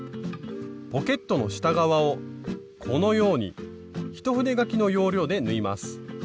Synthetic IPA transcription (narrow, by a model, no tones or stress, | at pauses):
po̞ke̞t̪ːo̞no̞ɕi̥t̪aɡaβao̞ | kʰo̞no̞jo̞ːɲ̟ḭ | çi̥t̪o̞ɸɯ̟ne̞ɡakʲino̞jo̞ːɾʲo̞ːd̪e̞nɯ̟imasɨ̥